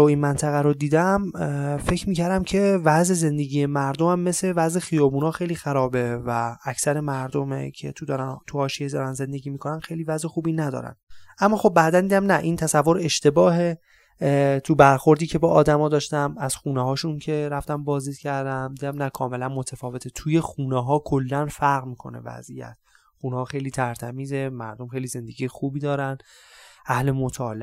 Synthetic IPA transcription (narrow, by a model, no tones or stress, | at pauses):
oiːnmænt̪ʰæɣæɾod̪iːd̪æmfe̞cʰɾmiːcʰæɾd̪æmcʰe̞væzeze̞nd̪e̞ɟiːjemæɾd̪omæmːe̞sevæzexijɒːbuːnɒːxe̞jliːxæɾɒːbe̞vææcsæɾemæɾd̪omḛcʰe̞̰t̪ʰud̪ɒɾnt̪ʰuhɒːʃijed̪ɒːɾænze̞nd̪e̞ɟiːmiːkʰo̞nænxe̞jlivæzexuːbiːnæd̪ɒ̰ːɾæ̰nd̥̪ʔæmːɒːxo̞b̚ːæːd̪ænd̪iːd̪æmnæʔiːnt̪ʰæsævːo̞ɾe̞ʃt̪e̞bɒːɦe | t̪ʰubæɾxo̞ɾd̪iːcʰe̞bɒʔːd̪æmɒːd̪ɒːʃt̪æmæz̥xuːneɦɒːʃuncʰe̞ɾæft̪æmbɒːzd̪iːd̪̚cʰæɾd̪æmd̪iːd̪æmnækʰɒːme̞lænmo̞t̪ʰæfɒːve̞t̪ʰet̪ʰuːje̞xuːneɦɒːkʰolːænfæɾɣmiːkʰo̞̰ne̞̰væ̰zʔḭjæ̰t̪ | xuːnɛɒːxe̞jliːt̪ʰæɾt̪ʰæmiːze̞mæ̰ɾd̪omxejlize̞nd̪e̞ɡijexuːbiːd̪ɒːɾænʔæhle̞mot̪ʰɒːle